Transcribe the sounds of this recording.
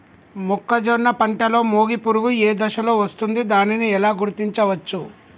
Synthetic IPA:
mɔkːɐd͡ʒonɐpɐɳʈɐlo̞ːmoːɡipuɾuɡueːd̪ɐʃɐlo̞ːʋɐst̪und̪id̪aːniniɛlaːɡuɾt̪iɲt͡ʃɐʋɐt͡ʃːu

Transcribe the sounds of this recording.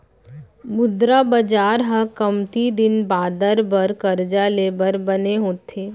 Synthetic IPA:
mʊd̪ɾabɐd͡ʒaːɾɦə̃kəmt̪id̪ɪnbaːd̪əɾbəɾkɐɾd͡ʒaleːbəɾbɐneɦoːt̪ʰeː

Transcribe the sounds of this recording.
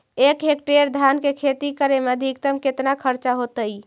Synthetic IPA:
ekɦek̚ʈeɾd̪ʱankekʰet̪ikəɾemeəd̪ʱikt̪əmket̪nakʰəɾt͡ʃaɦot̪əj

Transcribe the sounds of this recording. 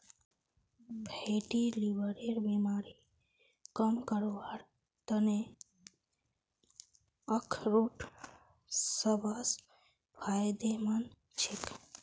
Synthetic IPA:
bʱeʈilibəɾeɾbemaɾi | kəmkəɾoʋaɾ | t̪əne | əkʰɾoʈʰ | səbʱas | bʰʱajd̪emən | t͡ʃʰik

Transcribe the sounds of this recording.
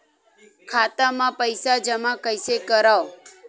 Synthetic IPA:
kʰat̪amãpəjsad͡ʒəmãkəjsekəɾaw

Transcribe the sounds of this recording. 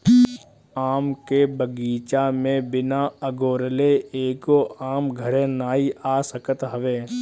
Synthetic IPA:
aːmkebəɡiːt͡ʃamẽbɪnaːəɡoːɾəleeːkoʔaːmɡʱəɾẽnaːiaːsəkət̪ɦəʋeː

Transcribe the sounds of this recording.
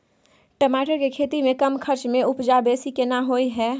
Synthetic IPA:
ʈəmaːʈəɾkekʰeːt̪imẽkɐmkʰəɾt͡ʃmẽʊpd͡ʒabeːsikenaɦoːiɦɛː

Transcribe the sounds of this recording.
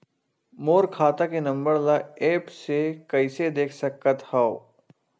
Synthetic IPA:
moːɾkʰaːt̪akenɐ̃mbəɾlaeːpsekɐɪsed̪eːkʰsɐkːət̪hao

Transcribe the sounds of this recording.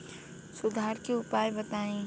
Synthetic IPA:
sʊd̪ʱaːɾkeʊpaːjbɐt̪aːẽː

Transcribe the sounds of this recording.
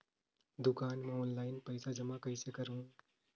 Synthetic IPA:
d̪ʊkaːnmoːnlaːɪnpɐɪsad͡ʒɐmakɐɪsekɐɾɦũː

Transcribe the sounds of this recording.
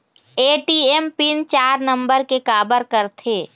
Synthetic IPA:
eːʈiːempint͡ʃaːɾnə̃mbəɾkekaːbəɾkəɾt̪ʰeː

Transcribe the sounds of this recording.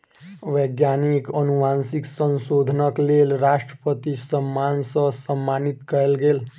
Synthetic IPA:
ʋəɡjanikənuʋansiksənsod̪ʱnəklelɾasʈɾəpət̪isəmːansʌsəmːanit̪kəɾelɡel

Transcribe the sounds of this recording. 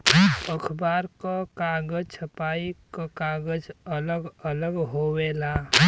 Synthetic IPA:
pəkʰbaːɾkakaːɡəd͡ʒt͡ʃʰɐpaːikakaːɡəd͡ʒɐləɡələɡɦoːweːlaː

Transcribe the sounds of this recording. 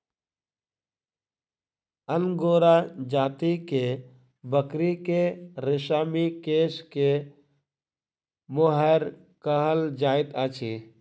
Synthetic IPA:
ənɡoːɾad͡ʒaːt̪ike | bəkɾikeɾɪʃaːmikeːske | moɦəɾ | kəɦəld͡ʒaːɪt̪at͡ʃʰi

